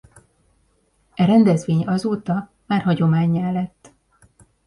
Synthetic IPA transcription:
ɛɾɛnd̪ɛzʋeːɲɒzoːt̪ɒ | maːrɦɒɟo̞maːɲːɛlːɛt̪ː

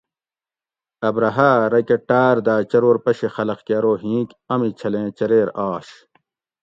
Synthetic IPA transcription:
ɐbɾɐɦaːɾɐkeʈaːɾd̪aːt͡ɕɐɾoːɾpɐɕexɐlɐqkaːɾoːɦĩːk | ɐmit͡ɕʰɐlẽːt͡ɕɐɾeːɾaːɕ

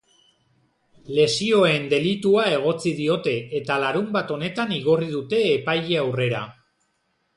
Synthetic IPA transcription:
le̞sio̞e̞nd̪e̞lit̪uae̞ɣ̞o̞t͡siðio̞t̪e̞et̪alaɾumbat̪o̞ne̞t̪aniɣo̞riðut̪e̞ːpajeawre̞ɾa̰

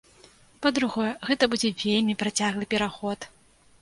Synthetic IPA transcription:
pɐd̪ɾuɣɔjɛɣɛt̪ɐbud͡zʲɛvʲelʲmʲipɾat͡sʲaɣlˠɨpʲɛɾaxɔt̪

